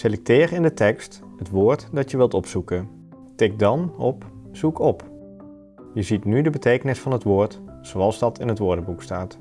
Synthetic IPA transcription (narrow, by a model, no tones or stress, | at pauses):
selɛk̚tɪːrɪndətɛkst | hətʋʊːɹtdɑtjəʋɪlˠtɔpsukən | tɪk̚dɑnɔ̰pz̥ukʰɔp | jəzitnydəbətejkənɪsfɑnɦətʋʊːɹt | soɑlˠzdɑtɪnɦətʋʊːɹdəbukstaːt